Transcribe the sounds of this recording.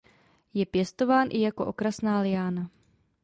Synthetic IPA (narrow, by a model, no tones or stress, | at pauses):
jɛpjɛst̪o̞vaːnʔɪ̰jako̞ʔokɾasnaːlɪjaːna